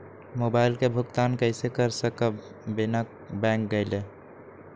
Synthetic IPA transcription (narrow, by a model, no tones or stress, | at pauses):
moːbaːɪlkebʱʊkt̪aːnkəɪsekəɾsəkə | bɪnək̚ | bɛ̃ːŋk̚ɡəɪle